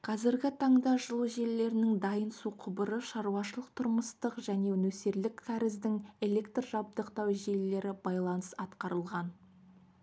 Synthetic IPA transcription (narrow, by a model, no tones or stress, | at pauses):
qʰɑzɪɾɡʲɪt̪ʰɑɴd̪ɑʒəlˠuʒe̞lle̞ɾɪnɪŋd̪ɑjənsuqʰʊbəɾəʃɑɾuɑʃəlˠəq̚t̪ʰʊɾməst̪əqʒæne̞nɵse̞ɾlɪkt̪ʰæɾɪzd̪ɪŋe̞le̞kt̪rʒɑb̚d̪əqt̪ɑwʒe̞lle̞ɾɪbɑjlˠɑnəsɑt̪qɑɾəlˠʁɑn